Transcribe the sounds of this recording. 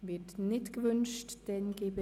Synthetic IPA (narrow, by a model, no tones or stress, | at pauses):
vɪtnɪtɡ̥əvʏnʃtd̥ɛnɡeːbə